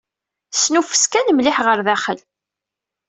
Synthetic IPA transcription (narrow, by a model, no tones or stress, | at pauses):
snufə̥skænmlɪħʁəɾðæχə̰l